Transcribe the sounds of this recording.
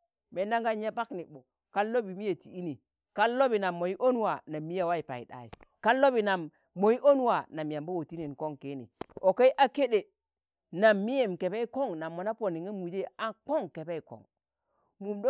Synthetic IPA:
me˨nda˦ŋɡa˦ɲe˦pa˦kni˨bo˨ | ka˦lːo˦bi˨mi˦je˨ti˨i˦ni˨ | ka˦lːo˦bi˨na˨mːo˨i˦ʔo˦n˦wa˨na˨mːi˦ja˨wa˦i˨pa̰˨ḭ˨ɗa̰˨jḭ˨ka˦lːo˦bi˨na˨mː | o˨ji˦ʔo˦n˦wa˨na˨mja˨mbo˦wo˨ti˦ni˨nko˦ŋke˦nḭ˨o˨ke˦i˦ʔa˦ke˦ɗe˨ | na˨mːi˦je˦˨mke˨be˦i˦ko˦ŋna˨mːo˨na˦po˨ni˨ŋe˦mu˨d͡ʒe˦a˦k͡po˦ŋke˨be˦i˨ko̰˨ŋ | mu˨mdo˦

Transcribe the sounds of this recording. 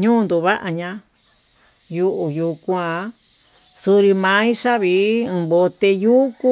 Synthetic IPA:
ɲũː˦˧nd̪u˨βa˦ʔa˧ɲã˧ | ju˧ʔu˧˨ju˧kʷã˧˦ | su˧ɾi˧mã˨˦i˦ʂa˦βi˧˦ũ˨˧βo˧t̪e˧juː˦ku˦

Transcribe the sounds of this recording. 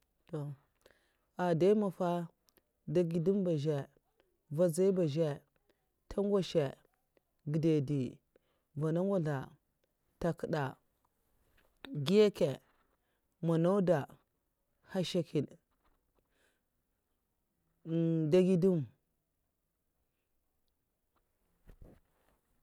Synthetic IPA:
to˨ | a˨da˦ma˨fa˦ | da˦ɡi˦du˦mba˨ʒe˨ | va˦za˦i˦ba˨ʒe˦ | tʰa˦ŋ˦ɡa˦ʃe˨ | ɡi˨de˨di˨ | va˨na˦ŋ˦wa˦ɮa˨ | ta˨kə˨ɗa˨ | ɡi˦je˦ke˨ | ma˨na˦u˦da˨ | ha˦ʃa˦ki˨n | da˦ɡi˦du˦m

